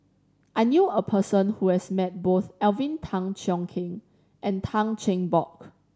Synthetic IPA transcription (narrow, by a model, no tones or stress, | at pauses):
ʔaɪnjuəpʰəsə̃nhuhɛsmɛt̚boθɛlvĩntʰãŋt͡ʃɔ̃ŋkʰĩŋ | ʔɛ̃ntʰãŋt͡ʃẽŋbɔk